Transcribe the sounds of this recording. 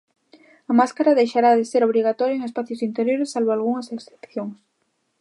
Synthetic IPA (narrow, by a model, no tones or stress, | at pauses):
ɐmaskaɾaðejʃaɾaðeseɾoβ̞ɾiɣ̞at̪ɔɾjoeŋespaθjosint̪eɾjoɾesːalβoalɣuŋɐseksθe̥pθjoŋs